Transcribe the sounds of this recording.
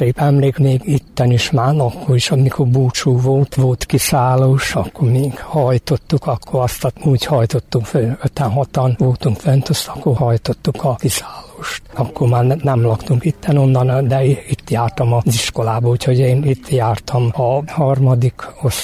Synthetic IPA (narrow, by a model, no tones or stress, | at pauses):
seːpɛmleːkmeːɡit̪ːɛniʃmaːnɒkːo̞ɾiʃɒmikʰo̞rbuːt͡ʃuːvolt̪ʋo̞lt̪kisaːloːʃɒkːormeːɡ̥hɒjt̪o̞t̪ːukɒkʰːorɒst̪ɒuːɟhɒjt̪o̞t̪ːuŋkføøt̪ɛnɦɒt̪ɒnʋo̞lt̪uŋkfønt̪øst̪ɒkːohɒjt̪ot̪ːukʰɒkisaːloːʃt̪ɒkːormaːrnɛmlɒkt̪uŋkit̪ːɛno̞nːɒnd̪ɛiit̪ːjaːrt̪ɒmɒziʃko̞laːbɒuchoɟeːnit̪ːjaːrt̪ʰɒmɒhɒrmɒd̪ikos